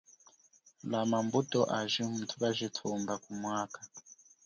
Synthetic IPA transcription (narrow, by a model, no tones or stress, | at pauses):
lamambutʼɔʔaʒim̩tʰuβaʒʷitʰumbakumwaːkʼḁ